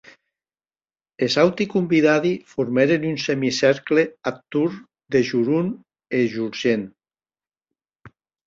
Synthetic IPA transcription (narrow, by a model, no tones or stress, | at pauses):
ezawt̪ikumbiðaðifuɾmɛɾenynsɛmisɛɾkleat̪ːuɾ | d̪eʒuɾun | eʒuɾʒen